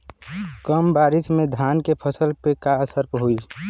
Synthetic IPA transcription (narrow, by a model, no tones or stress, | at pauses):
kəmbaːɾɪsmẽd̪ʱaːnkepʰəsəlpekaəsəɾpɦoi